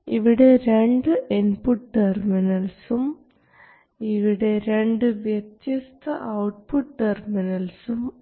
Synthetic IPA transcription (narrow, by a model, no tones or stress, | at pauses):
iʋiɽe̞ɾeɳɖɨʔinpuʈʈerminɐlsum | iʋiɽe̞ɾeɳɖɨʋjet̪jist̪ɐʔɐwʈ̚puʈʈːerminɐlsum